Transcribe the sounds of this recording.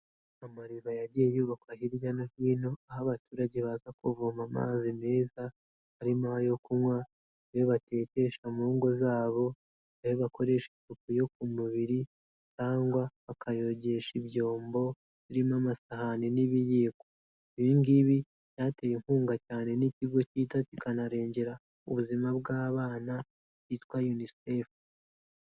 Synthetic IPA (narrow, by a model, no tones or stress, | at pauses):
amaɾiβajaɟijejuːβakwahiɾjanahiːno̞ahaβatuːɾaɟeβazakuvuːmama̰ːzime̞ːza | haɾimahajo̞kumwa | βeβate̞ːce̞ʃamuːŋɡo̞zaːβo̞ | ahoβako̞ɾe̞ːʃintukujo̞k̚umuβiɾi | caːŋɡwaβakʰajo̞ɟe̞ʃiβjo̞ːmbo̞ | ziɾimamasahaneniβijeko | iβiŋɡiβi | jaːte̞ːjeŋhuːŋɡacaːne̞niciɡo̞ciːtatuikanaɾe̞ːɲɟe̞ɾa | uβuzimabɡaːβaːna | itwajunisef